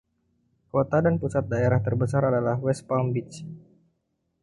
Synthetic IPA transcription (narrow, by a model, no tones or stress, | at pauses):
kot̪adanpusat̪̚daeɾaht̪ərbəsaɾadalahwɛspambit͡ʃ